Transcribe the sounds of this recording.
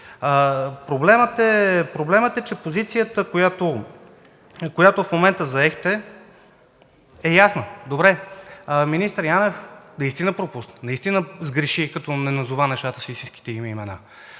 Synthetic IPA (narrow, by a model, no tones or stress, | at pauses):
əpɾoblɛmət̪ɛpɾoblɛmət̪ɛt͡ʃɛpozit̪sijət̪əkojat̪o | kojat̪ofmomɛnt̪əzɐɛxt̪ɛ | ɛjasnəd̪obɾɛ | minist̪əɾjanɛfnɐist̪inəpɾopusnənɐist̪inəzɡɾɛʃikɐt̪ɔnɛnɐzuvanɛʃt̪at̪ə̥sist̪ĩnski̥t̪ɛimɛimɛna̰